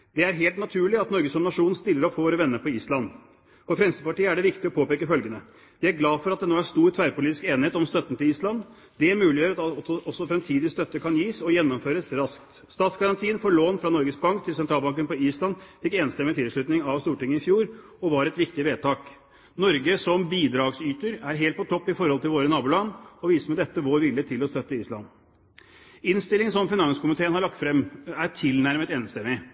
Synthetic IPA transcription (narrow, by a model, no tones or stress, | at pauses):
d̪̥ɛæɾɦeːlt̪nɑt̪ʰʉːɭɪɑt̪nɔɾɡəsɔmnɑʂuːnn̩st̪ɪlːəɾɔpːfɔʋoːɾəʋɛnːəɾpɔiːslɑnː | fɔfɾɛmsəpɑʈiːəæɖɛʋɪkt̪ɪɔpʰoːpeːkəfœlɡənə | d̪ɪæɾɡlɑːfɔɾɑt̪̚d̪ɛnoːæst̪uːɾt̪ʰʋæːɾpʊliːt̪ɪskeːnɪheːt̪ɔmst̪œt̪ːnt̪ʰɪliːslɑnd̪ | d̪ɛmʉːlɪjøːɾɑt̪ɔsːɔfɾɛmt̪ʰiːd̪ɪst̪œt̪ːəkʰɑnjiːsɔjɛnːɔmføːɾəsɾɑskt̪ | st̪ɑːt̪sɡɑɾɑnt̪ʰiːənfɔːɭoːnfɾɑnɔɾɡəsbɑŋkt̪ʰɪlsɛnt̪ʰɾɑːlbɑŋk̬ənpɔiːslɑnfɪkːeːnst̪ɛmːɪt̪ʰɪlʂɭʉt̪nɪŋɑʋst̪uːʈɪŋənɪfjuːɾ | ɔʋɑɾɛt̪ʋɪkt̪ɪʋeːt̪ʰɑːk | nɔɾɡəsɔmbiːd̪ɾɑːɡsyːt̪əɾæɾɦeːlt̪pʰɔt̪ʰɔpːɪfɔɾhɔlt̪ɪlʋoːɾənɑːbʉlɑnːɔʋiːsəmɛd̪ɛt̪ːəʋoːɾʋɪlːət̪ʰɪlɔst̪œt̪ːəiːslɑ̰nː | ɪnst̪ɪlːɪŋsɔmfɪnɑnskʊmɪt̪ʰeːənhɑɭɑk̚t̪fɾɛmæʈ̪ʰɪlnæɾmət̪eːnst̪ɛmːɪ